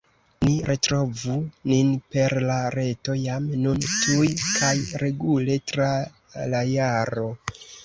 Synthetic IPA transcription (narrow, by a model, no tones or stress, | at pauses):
niɾetɾo̞vuninpe̞ɾlaɾe̞to̞jamnuntujkʰajɾe̞ɡule̞tɾa | lajaɾo̞